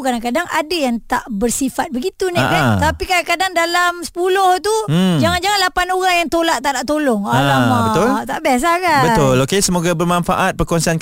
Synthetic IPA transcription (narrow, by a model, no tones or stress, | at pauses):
kadaŋkadaŋadajaŋt̪aʔbərsifat̪̚bəɡit̪unĩaʔbɛt̪apikadaŋkadaŋdalamsə̥pulʊht̪ud͡ʒaŋand͡ʒaŋanlapanoɣaŋjaŋt̪olaʔt̪ːaʔdaʔt̪olɔŋaaaaət̪ʊlt̪aʔbas̬akabət̪ʊlokesəmoɡabərmãnfa̰ʔat̪̚pərkɔnsan